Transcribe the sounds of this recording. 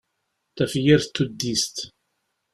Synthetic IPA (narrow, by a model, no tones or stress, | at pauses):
θæfjiɾθt̪ːud̪ːist̪